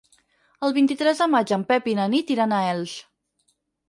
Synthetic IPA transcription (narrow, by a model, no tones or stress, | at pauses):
əlˠβint̪it̪ɾɛzðəmad͡ʒəmpɛpinənit̪iɾanaɛlˠs